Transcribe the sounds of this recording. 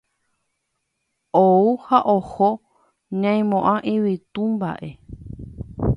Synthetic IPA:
ouhaʔoho | ɲãj̃mõʔãʔĩʋit̪ũmba̰ʔe̞

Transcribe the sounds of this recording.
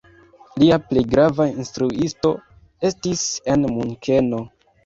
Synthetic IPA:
liaple̞jɡɾavainstɾuisto̞ | e̞stise̞nmuŋkʰe̞no̞

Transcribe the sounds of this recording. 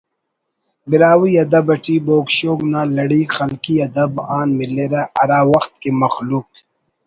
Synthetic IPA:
bɪɾaːwiɐd̪ɐbɐʈiːboːkʃoːɡnaːlɐɽiːxɐlkiɐd̪ɐbaːnmileɾaʔɐɾaːwɐxt̪̚kemɐxluːk̚

